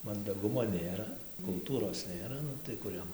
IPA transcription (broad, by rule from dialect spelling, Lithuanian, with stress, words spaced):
mɐndɐˈɡʊmoː ˈnʲeːrɐ kʊlˠˈtuːroːs ˈnʲeːrɐ ˈnʊ tɐɪ ˈkʊr jɛm